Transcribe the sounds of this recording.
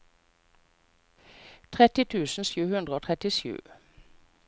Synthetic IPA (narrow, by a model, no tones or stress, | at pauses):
t̪ʰʁɛt̪ɪt̪ʰʉːsn̩sʉːhʉnd̪ʁəoːt̪ʰʁɛt̪ɪʃʉ̰ː